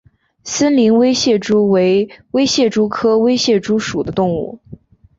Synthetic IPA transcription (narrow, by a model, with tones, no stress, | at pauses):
sə˥nli˧˥nwe˥ɪɕjɛ˥˩ʈ͡ʂu˥we˧˥ɪwe˥ɪɕjɛ˥˩ʈ͡ʂu˥kʰɤ˥we˥ɪɕjɛ˥˩ʈ͡ʂu˥ʂu˨˩d̪ə˦t̪ʊ˥˧ŋṵ˥˩